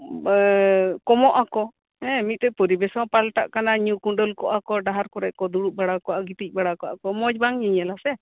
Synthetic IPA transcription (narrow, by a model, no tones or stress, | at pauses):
kɔmɔʔakɔ | ɛ̃mit̪̚t̪ɔʔ̚pɔɾibɛsɔ̃palʈa̰ʔkanaɲũkuɳɖɔlkɔʔakɔɖaɦaɾkɔɾɛʔkɔd̪uɽuʔ̚baɽakɔʔaɡit̪ic̚ˀbaɽakɔwʔakɔmɔd͡ʒbaŋɲiɲɛlasɛ